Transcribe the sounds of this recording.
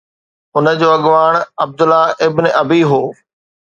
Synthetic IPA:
ʊnə̆d͡ʑoːɐɠʋaːɳɐb̚d̪ʊlaʔɪbnɪʔɐbiɦoː

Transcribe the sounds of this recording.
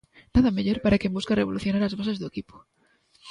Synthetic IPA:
naðameʎoɾpaɾakembuskareβ̞oluθjonaɾazβasezðoekipo̥

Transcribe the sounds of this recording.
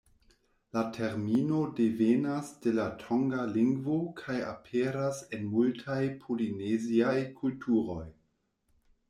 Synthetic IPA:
latʰe̞ɾmino̞devenasd̥e̞latʰo̞ŋɡaliŋɡvokʰaja̰pʰeɾase̞nmultʰajpʰolineziajkʰultʰuɾo̞j

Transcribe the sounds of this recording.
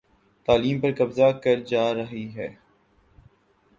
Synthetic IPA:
t̪aːliːmpɐɾkɐbzakɐɾd͡ʒaːɾɐɦiɦɛː

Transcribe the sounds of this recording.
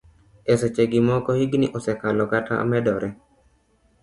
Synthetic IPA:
ɛsɛt͡ʃeɡimɔkɔhiɡnḭʔɔsɛkalɔkata̰mɛdɔɾʔɛ

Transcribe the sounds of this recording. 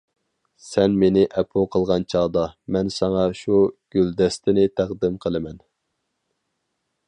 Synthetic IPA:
sɛnmenɪʔɛpʰoqʰəlˠʁɑnt͡ʃʰɑːd̪ɑmɛnsɑŋɑʃuɡ̥ʲyld̪ɛst̪ʰɪnɪt̪ʰæqd̪ɪmqʰəlˠɨmɛn

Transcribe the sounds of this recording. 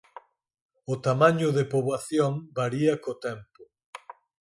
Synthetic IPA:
ʊt̪amãɲʊðepoβwaθjoŋbaɾiɐkot̪ɛmpʊ

